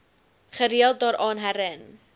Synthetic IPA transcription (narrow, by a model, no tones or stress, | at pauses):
χəɾiəlˠt̚dɑːɾʔɑːnɦæɾən